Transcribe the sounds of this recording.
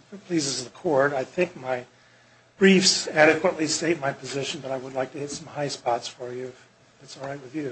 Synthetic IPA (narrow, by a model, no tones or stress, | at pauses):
ɨpʰl̥izɨzðəkʰɔɹɾaɪθɪ̃ŋk̚maɪ | b̥ɹifsæɾɨkʰwəʔˡliseɪt̚maɪpʰɨzɪʃɨ̃n̩bʌɾaɪwədˡlaɪk̚tʰɨhɪtsʌ̃mhaɪspɑtsfə˞jʉf | ɨtsɔlˠɹaɪt̚wɨðjʉ